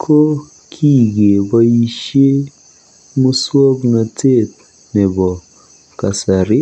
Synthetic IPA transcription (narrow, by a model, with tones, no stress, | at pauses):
kʰo˦ | kʰi˦˨ɡe˨bɔ˦i˦ʃe˦ | mu˦swo˦kŋa˨tʰe˦˨t̚ | nɛ˨bɔ˨ | ka˨sa˨ɾɪ˦